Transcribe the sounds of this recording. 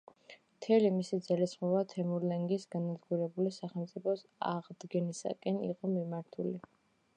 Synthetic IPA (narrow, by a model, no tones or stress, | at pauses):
mt̪ʰɛlimisid̪zɛlisχɔvat̪ʰɛmuɾlɛŋɡisɡanad̪ɡuɾɛbulisaχɛlmt̪sʼipʰɔsa̰ʁd̪ɡɛnisa̰kʼɛnḭqʼɔmimaɾt̪ʰuli